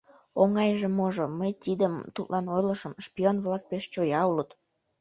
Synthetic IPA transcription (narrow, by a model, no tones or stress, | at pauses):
oŋɑjʒĕmoʒoməjt̪id̪əmt̪ut̪lʔɑnojləʃəmʃpionβlɑk̚peʃt͡ɕojɑulət̪